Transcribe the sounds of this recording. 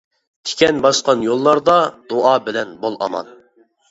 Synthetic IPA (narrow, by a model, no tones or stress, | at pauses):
t̪ʲʰe̥kʲɛnbɑʃqɑnjolˠːɑɾd̪ɑd̪̥oʔɑbɪlɛnbolˠʔɑ̰mɑ̰n